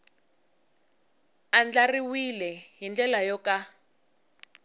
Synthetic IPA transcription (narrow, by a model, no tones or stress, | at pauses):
and͡ɮariwilɛɦind͡ɮɛlajɔka